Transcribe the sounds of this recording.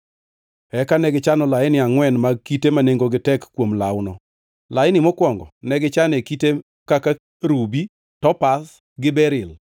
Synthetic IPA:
ɛkanɛɡɪt͡ʃanɔlaɪnɪaŋwɛnmakitemaneŋɡoɡɪtɛkkːwomla̰wnɔ | laɪnɪmɔkwɔŋɡɔ̰nɛɡɪt͡ʃanekite | kaka | ɾubi | tɔpas | ɡɪbɛɾɪl

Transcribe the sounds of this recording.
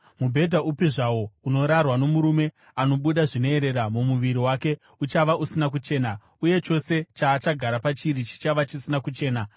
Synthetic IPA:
mubʱe̞dʱaupiʐawo̞uno̞ɾarwano̞muɾume̞ | ano̞ɓuɗaʐino̞eɾe̞ɾamumuʋiɾiwaːke̞ | ut͡ʃaʋaʔusinak̬ut͡ʃe̞ːna | uje̞t͡ʃo̞se̞t͡ʃaːt͡ʃaɡʱaɾapat͡ʃiɾit͡ʃi̥t͡ʃaʋat͡ʃisinakut͡ʃe̞ːna

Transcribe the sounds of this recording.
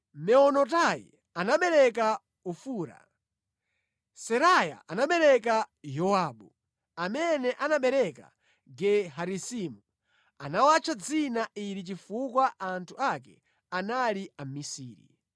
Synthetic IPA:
mɛɔnɔtajḭ | anaɓɛɾɛka | ufuːɾa̰ | sɛɾaja̰ʔanaɓɛɾɛk̬ajɔwaːɓu | amɛnɛʔanaɓɛɾɛka̰ | ɡɛɦaɾisimu | anawat͡ʃʰad͡zinaʔiɾit͡ʃifukwaʔantʰuakɛ | analiamisiːɾḭ

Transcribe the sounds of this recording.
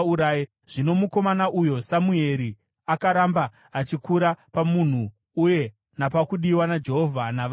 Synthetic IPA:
uɾae | ʐ̥ino̞muko̞manaʔujo̞samue̞ɾi | akaɾambaː | t͡ʃikuɾapamun̤uː | je̞ | napakuɗiwanad͡ʒe̞ɦo̞vʱana

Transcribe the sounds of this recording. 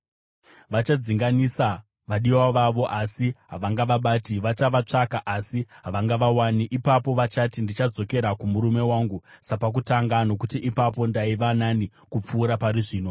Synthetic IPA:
ʋat͡ʃad͡ziŋɡanisa | ʋaɗiwaʋaʋo̞ʔasiɦaʋaŋɡaʋaɓaːtiʋat͡ʃaʋat͡ʂakaʔasiɦaʋaŋɡaʋawaniʔipapo̞ʋat͡ʃatindit͡ʃad͡zo̞ke̞ɾakumuɾume̞waŋɡusapak̬utaŋɡano̞kutiʔipap̬o̞ndaiʋanani | kup͡fuːɾapaɾiʐiːno̞

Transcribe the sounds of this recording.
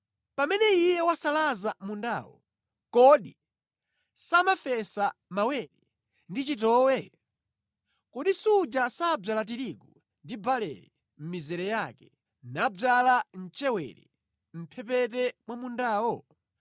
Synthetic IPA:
pamɛnɛijɛwasalazamunda̰ːwɔ̰ | kɔɗi | samafɛsamawɛɾɛ | ndit͡ʃitɔːwɛ | kɔɗisud͡ʒasab͡ʐalat̬iɾiɡu | ndibalɛ̰ɾɛ | m̩mizɛɾɛjakɛ̥ | nabb͡ʐalan̩t͡ʃɛwɛ̰ɾɛ̰ | m̩pʰɛpɛtɛmwamundaːwɔ

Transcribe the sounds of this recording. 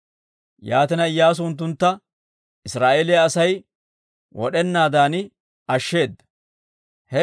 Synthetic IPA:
jaːt̪ɪnɐɪjːaːs̬ʊnt̪̬ːʊnt̪ːɐ | ɪsɾaːʔeːlɪjɐːsɐj | wɔ̰ɗɛnːaːd̪aːnɪ | ɐʃːe̞ːd̪ːɐ̥ | hɛ

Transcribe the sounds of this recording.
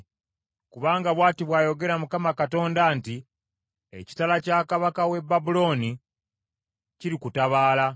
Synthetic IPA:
kuβaːŋɡaβwaːtiβwaːjo̞ɡe̞ɾamukamakato̞ːndanti | ḛci̥talacaːkaβakawe̞bːabulo̞ːni | ciɾikutaβaːla

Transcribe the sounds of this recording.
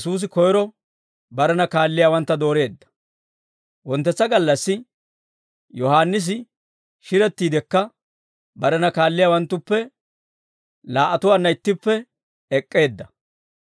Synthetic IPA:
suːs̬ɪkɔjɔɾɔ | bɐɾɛnɐkaːlːɪjaːwɐnt̪ːɐd̪o̞ːɾe̞ːd̪ːɐ̥ | wɔnt̪ːɛt͡sːɐɡɐlːɐsːɪ | jɔhaːnːɪs̬ɪ | ʃɪɾɛt̪ːiːd̪ɛkːɐ | bɐɾɛnɐkaːlːɪjaːwɐnt̪ːʊpːɛ | laːʔɐt̪ʊwaːnːɐɪt̪ːɪpːɛ | ɛkʼːe̞ːd̪ːɐ

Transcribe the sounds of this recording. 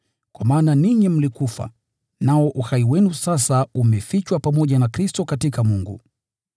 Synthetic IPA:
kwamaːnaniɲim̩likufa̰ | naɔʔuhaiwɛnusasaumɛfit͡ʃwapamɔʄanakɾistɔkatikamuŋɡṵ

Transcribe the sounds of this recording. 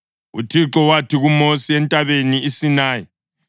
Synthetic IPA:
utʰiǁɔwatʰiɣumosiɛntʼaβeniːsinaːjɔ

